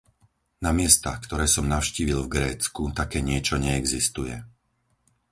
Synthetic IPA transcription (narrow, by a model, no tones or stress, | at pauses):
namɪɛst̪axkt̪ɔɾɛːsɔmnaʊʃciːʋilvɡɾɛːt͡skut̪akɛːɲɪɛt͡ʃɔɲɛːɡzist̪ujɛ̰